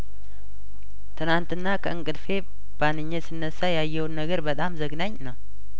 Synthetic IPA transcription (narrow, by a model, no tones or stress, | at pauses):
t̪ʰɨnant̪ɨnːakʰəʔɨŋkʼɨd̪fe̞ | b̥anɨɲːesɨnːəsːajajːɛwonːəɡəɾbət̪ʼamzəɡnaɲːnəw